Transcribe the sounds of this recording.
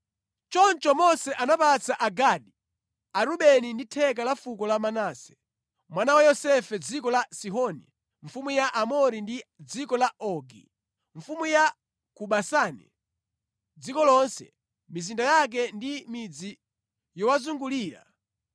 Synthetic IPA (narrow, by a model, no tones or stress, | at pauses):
t͡ʃɔnt͡ʃɔmɔsɛʔanapat͡saʔaɡaɗi | aɾuɓɛninditʰɛk̬alafukɔlamanaːsɛ̥ | mwanawajɔsɛfɛd͡zikɔlasiɦɔni | ɱfumujaʔamɔɾindid͡zikɔlaɔɡḭ | ɱfumuja | kuɓasaːnɛ̰ | d͡zikɔlɔnsɛ̰ | mizindajak̬ɛndimid͡zi | jɔwazuŋɡuliːɾa̰